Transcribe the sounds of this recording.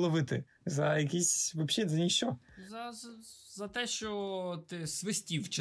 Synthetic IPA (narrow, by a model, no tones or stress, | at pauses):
lˠɔʋɪt̪ɪ | zɐjɐkʲisʲʋɐbʃʲɛzɐnʲiʃt͡ʃɔzɐzɐt̪ɛʃt͡ʃɔt̪ɪsʋɪsʲtʲiwt͡ʃɪ